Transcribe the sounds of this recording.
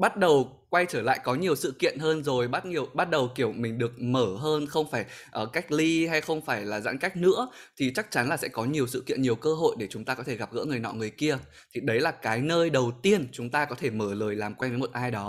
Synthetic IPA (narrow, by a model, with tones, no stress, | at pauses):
ɓa˦˥t̚ɗə˨˩w | kwa˧jt͡ɕəː˧˩la̰ː˧˨jkɔ˨˦ɲi˨˩əwsɨ̰˧˨kḭ˧˨ənɦəː˧nzo˨˩jɓa˦˥t̚ɲi˨˩əwɓa˦˥t̚ɗə˨˩wki˧˩əwmï˨˩ŋ̟ɗɨ˨˩ək̚məː˧˩ɦəː˧nxə˧wŋ͡mfaː˧˩jʔəː˨˩ka˦˥jk̟̚li˧ha˧jxə˧wŋ͡mfaː˧˩jlaː˨˩za̰˧˥nka˦˥jk̟̚nɨ̰˧˥ə | t̪ʰi˨˩t͡ɕa˦˥k̚t͡ɕa˨˦nlaː˨˩sɛ̰˧˥kɔ˨˦ɲi˨˩əwsɨ̰˧˨kḭ˧˨ənɲi˨˩əwkəː˧ɦo̰˧˨jɗe˧˩t͡ɕʊ˨˦ŋ͡mt̪aː˧kɔ˨˦t̪ʰe˧˩ɣa˨˩p̚ɣə̰˧˥ŋɨ˨˩əjnɔ̰˧˨ŋɨ˨˩əjki˧ə | t̪ʰi˨˩ɗə˨˦jlaː˨˩kaː˨˦jnəː˧jɗə˨˩wt̪i˧ənt͡ɕʊ˨˦ŋ͡mt̪aː˧kɔ˨˦t̪ʰe˧˩məː˧˩ləː˨˩jlaː˨˩mkwa˧jnvəː˨˦jmo˨tʔaː˧jɗɔ˨˦